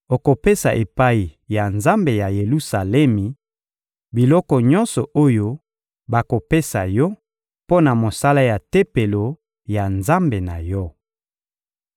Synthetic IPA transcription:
o˨ko˨pe˦sa˨ʔe˨pa˦i˨ja˨nza˦mbe˨ja˨je˨lu˦sa˨lɛ˦mi˨ | bi˨lɔ˦kɔ˨ɲɔ̃˦nsɔ˨ʔo˦jo˦ | ba˨ko˨pe˦sa˨jɔ˦ | po˦na˨mo˨sa˦la˦ja˨te˦pe˨lo˨ | ja˨nza˦mbe˨na˨jɔ˦

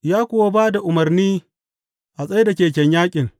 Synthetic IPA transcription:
jaː˦kʷʊ˨wa˦baː˦da˨ʔʊ˨mɐ˨rniː˦ | ʔa˨sʼɐ˦jda˨kʲeː˨k̬ʲɛ˦ɲjaː˦kʲʼɪ˨ŋ

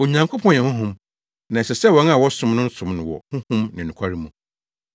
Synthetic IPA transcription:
o˨ɲã˨ŋkʰʊ˦pʰɔ̃˦˨ɛ̃˨hʊ̃˦ɦʊ̃˦m | nã˨ɛ˨sɛ˨sɛ˦wɔ̃˨˦na˨wɔ˦sʊ̃˦mnʊ̃˦n˦sʊ̃˨mnʊ̃˨wɔ̰˨hʊ̃˦hʊ̃˦mnɪ̃˨nʊ̃˨kʰʷa˦ɾi˦mũ˨

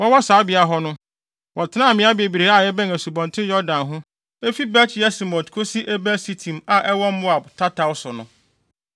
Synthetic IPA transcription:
wɔ˦wɔ˦saː˨˦bɪ˨a˨ɦɔ˦nʊ̃˦ | wʔɔ˨tʰɪ˦nã˦˨mɪ̃˨˦a˦bi˨e˨bi˨ɾe˨˦a˨jɛ˦bæ̃˦n˨æ˨su˨bɔ̃˨ntʰɪ̃˦jɔ˦dã˨nɦʊ̃˦ | e˦fi˦bɛ˦t͡ɕʰɪ˨jɛ˦si˨mɔ̃˨tkʰo˦si˦ʔɛ˦bæ˦si˦tʰĩ˨ma˨ʔɛ˦wɔ̃˦m̩˦mʊ̃˦a˨btʰa˦tʰa˨wʊ˦sʊ˨nʊ̃˨

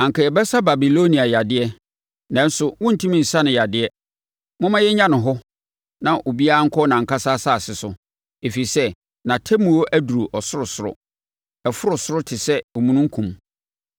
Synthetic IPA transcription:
ã˨ŋka˨jɛ˨bɛ˦sa˦ba˨bi˨lo˦nĩ˨a˨ja˨dɪ˦ɛ˦ | nã˨˦n̩˦sʊ˦wʊ̃˦n̩˨tʰĩ˦mĩ˨n̩˨sã˦nɪ̃˨ja˨dɪ˦ɛ˦ | mʊ̃˦mã˦jɛ˦ɲã˦nɪ̃˨ɦɔ˦ | nã˨ʔo˨bi˦a˦a˦ŋ̩˦kʰɔ˦nã˨ŋ̩˨ka˦saː˦sa˦˨sɪ˨sʊ˨ | e˨fi˨i˨sɛ˦ | nã˨tʰɛ˦mũ˨o˦ʔæ˦du˨ɾu˨ʔɔ˨sʊ˦ɾʊ˨sʊ˦ɾʊ̰˨ | ɛ˨fʊ˦ɾʊ˨sʊ˦ɾʊ˦tʰɪ˨sɛ˦o˨mũ˦nũ˦ŋ̩˦kʰũ˨m

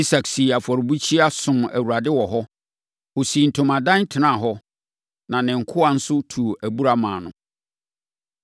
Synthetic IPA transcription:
i˦sa˨ksi˨a˨fɔ˨ɾbu˦t͡ɕʰi˦a˦sʊ̃˨mæ̰˨wu˨ɾa˨dɪ˦wɔ˨ɦɔ˦ | wo˨si˨n̩˨tʰʊ̃˨mã˨dã˦ntʰɪ˨nã˦˨ɦɔ˦ | nã˨nɪ̃˨ŋ̩˨kʰʊ˦a˨n̩˦sʊ˦tʰu˨ʔæ˨bu˦ɾa˦mãː˨nʊ̃˨

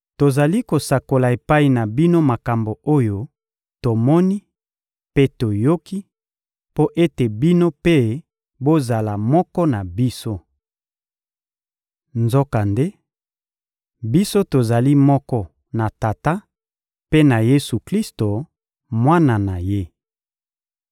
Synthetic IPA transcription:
to˨za˨li˦ko˨sa˨ko˨la˨e˨pa˦i˨na˨bi˦no˦ma˨ka˨mbo˨o˦jo˦ | to˨mɔ˦ni˦ | pe˦to˨jo˦ki˦ | po˦ʔe˦te˨bi˦no˦pe˦ | bo˦za˨la˨mɔ˦kɔ˦na˨bi˦so˦ | nzɔ˦ka˨nde˦ | bi˦so˦to˨za˨li˦mɔ˦kɔ˦ | na˨ta˨ta˦ | pe˦na˨je˦su˨kli˦sto˨ | mwa˦na˨na˨je˦

